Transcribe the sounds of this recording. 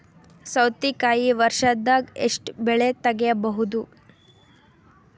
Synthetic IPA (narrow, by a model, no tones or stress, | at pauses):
sɐwt̪ikaːjiʋɐɾʃɐd̪ːaːɡeʂʈbɛɭet̪ɐɡɛjɐbɐɦud̪u